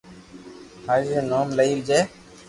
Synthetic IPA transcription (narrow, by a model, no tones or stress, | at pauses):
haːʒeːnoːmləiːld͡ʒeː